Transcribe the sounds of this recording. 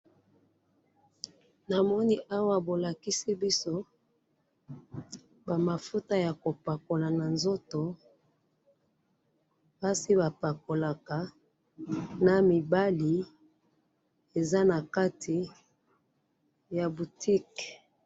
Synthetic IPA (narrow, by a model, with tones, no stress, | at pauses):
na˨mɔ˦ni˦ʔa˦wa˦bo˨la˨ki˦si˦bi˦so˦ | ba˨ma˨fu˦ta˦ja˨ko˨pa˨ko˨la˨na˨nzo˦to˨ | ba˦si˦ba˨pa˨ko˨la˨ka˨ | na˨mi˨ba˦li˨ | e˨za˦na˨ka˦tʰi˨ | ja˨bu˨tʰi˦k